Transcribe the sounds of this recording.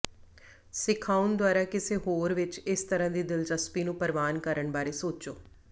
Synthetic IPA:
sɪkʰaːʊnd̪waːɾaːkɪseːɦoːɾʋɪt͡ʃɪst̪əɾãːd̪iːd̪ɪlt͡ʃəspiːnũːpəɾʋaːnkəɾəɳbaːɾeːsoːt͡ʃoː

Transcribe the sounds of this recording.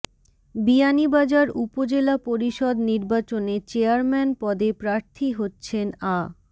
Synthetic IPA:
bianibad͡ʑaɾupod͡ʑelapoɾiʃɔd̪niɾbat͡ɕonet͡ɕeaɾmɛnpɔd̪epɾaɾt̪ʰiɦotːɕʰena

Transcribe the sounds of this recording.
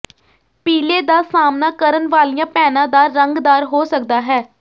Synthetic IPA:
piːleːd̪aːsaːmnaːkəɾənʋaːlijãːpɛːnãːd̪aːɾəŋɡd̪aːɾɦoːsəkd̪aːɦɛː

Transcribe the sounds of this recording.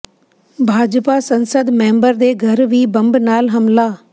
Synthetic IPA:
bʱaːd͡ʑpasɐ̃nsəd̪mẽːmbəɾd̪eːɡʱɐɾʋibɐ̃mbnaːlɦɐmlaː

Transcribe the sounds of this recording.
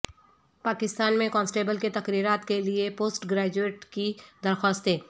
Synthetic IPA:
paːkɪst̪aːnmẽkɔ̃ːnsʈeːbəlket̪ɐkɾiːɾaːt̪keliepoːsʈɡɾeːd͡ʒueːʈkid̪ɐɾxaːst̪eː

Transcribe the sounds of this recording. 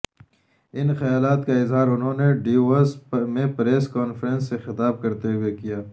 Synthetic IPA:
ɪnxɐjaːlaːt̪kaɪzɦaːɾʊnɦõːneɖiːɐsmẽpɾeːskaːnfɾə̃nsːexɪt̪aːb̚kɐɾt̪eɦuwekijaː

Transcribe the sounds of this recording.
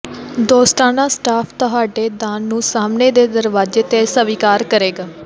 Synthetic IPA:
d̪oːsʈaːnãːsʈaːpʰt̪oɦaːɖeːd̪aːnːũːsaːmneːd̪eːd̪əɾʋaːd͡ʒeːt̪eːsəʋiːkaːɾkəɾeːɡaː

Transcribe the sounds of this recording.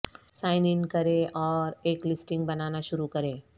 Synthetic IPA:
saɪnɪnkəɾeʔɔːɾeːklɪsʈɪ̃ŋɡ̚bənanaʃʊɾukəɾe

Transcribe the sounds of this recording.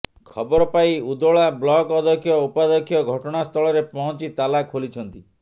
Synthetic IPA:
kʰɔbɔɾɔpaiud̪oɭablɔkɔd̪ʱɔkʰjɔupad̪ɔkʰjɔɡʱɔʈɔɽ̃ast̪ʰɔɭɔɾepɔɦɔ̃t͡ʃit̪alakʰolit͡ʃʰɔnt̪i

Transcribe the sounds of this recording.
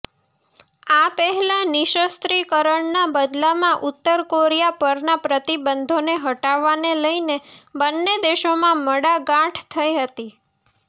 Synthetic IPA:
apəɦɛlãnɪʃəst̪ɾikəɾəɳnabəd̪lamãʔʊt̪ːəɾkoɾijapəɾnapɾət̪ibənd̪ʱoneɦəʈaʋːaneləinebənːed̪eʃomãməɽaɡãʈʰt̪ʰəiɦət̪i

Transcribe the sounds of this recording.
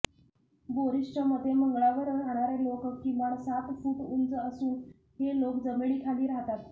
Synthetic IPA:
boɾiʂt͡ɕəməd̪ʱːeməŋɡɭaʋəɾəɦaɽ̃aɾelokkːĩʋaɳsat̪fuːʈunt͡səəsuːn | ɦelokd͡zəmɭiːkʰaliːɾaɦt̪at̪

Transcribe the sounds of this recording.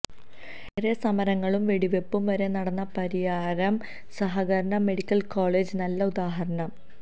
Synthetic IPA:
eɾesɐmɐɾɐŋːɐɭumʋe̞ɽiʋe̞pːumʋɐɾe̞nɐɽɐnːɐpɐɾijaːɾɐm | sɐɦɐɡɐɾɐɳɐme̞ɽikʲːɐlkoːɭe̞ːd͡ʑɨnɐlːɐud̪aːɦɐɾɐɳɐm

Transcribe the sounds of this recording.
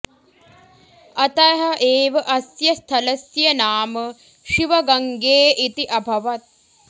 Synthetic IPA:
ɐt̪ɐjɐɦɐʔeːʋɐʔɐsjɐst̪ʰɐlɐsjɐnaːmə | ʃiʋɐɡɐŋɡeːʔit̪iʔɐbʱɐʋɐt̪̚

